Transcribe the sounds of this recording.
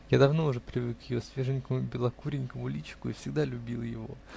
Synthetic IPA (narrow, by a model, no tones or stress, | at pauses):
jad̪ɐvno̞ʊʐɛpɾʲɪvɨkjɪjosvʲeʐənʲkəmʊbʲɪlˠɐkuɾʲɪnʲkəmʊlʲit͡ɕɪ̥kʊifsʲɪɡd̪alʲʊbʲilˠjɪvo̞̰